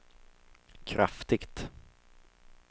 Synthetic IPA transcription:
kʰɾʔa̰ft̪ɪɡt̪

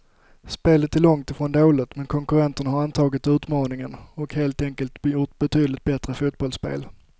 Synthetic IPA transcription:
speːlət̪ɛlɔŋt̪ɪfɾɔːnd̪oːlɪt̪mɛnkʰɔŋkɵɾɛnt̪əɳahaɾant̪ʰɑːɡɪt̪ʉ̟ːt̪mɑːnɪŋənɔkheːlt̪ɛŋkəlt̪jʊʈ̪bɛt̪ʰyːd̪əlɪt̪̚bɛt̪ɾəfuːt̪̚bɔlspḛːl

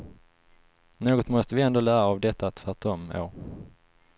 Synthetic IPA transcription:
noːɡɔt̪mɔst̪əvɪɛnd̪oːlæːɾaːvd̪ɛt̪ːat̪ʰvæʈɔmo̰ː

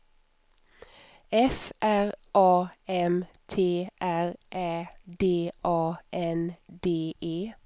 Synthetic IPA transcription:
ɛfʔæʁʔɑːɛmt̪ʰeːʔæʁʔæːd̪eːʔɑːʔɛnd̪eːʔeː

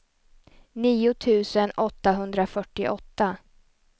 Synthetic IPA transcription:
niːʊt̪ʰʉ̟ːsənɔt̪ːaɦɵnd̪ɾafœʈːɪ̰ʔɔt̪ːa

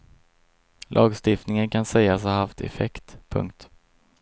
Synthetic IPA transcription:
lʔɑːɡst̪ɪft̪nɪŋənkʰansɛjːas̬haɦaft̪ʰɛ̰fɛkt̪pʰɵ̰ŋk̚t̪

